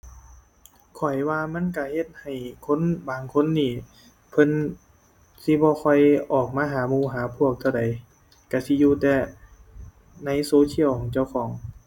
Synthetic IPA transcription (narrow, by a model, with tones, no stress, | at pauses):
kʰɔ˨˩jwaː˧ma˧˥˨nka˧˩he˧t̪̚ha˨˩jkʰo˧˥˨nbaː˨˩ŋkʰo˧˥˨nːiː˧˩ | pʰɤ˧˥˨n | si˧˦bɔː˧kʰɔ˧˩jʔɔː˨˩k̚maː˧ɦaː˨˦muː˧˩ɦaː˨˦pʰu˧˥˩ək̚t̪ʰa˧˩da˨˦j | ka˧˩si˧˦juː˧t̪ɛː˧ | na˧˥˨jsoː˧˦tʰi˧˥˨wkʰɔː˨˦ŋt͡ɕa˧˩˨wkʰɔː˩˦ŋ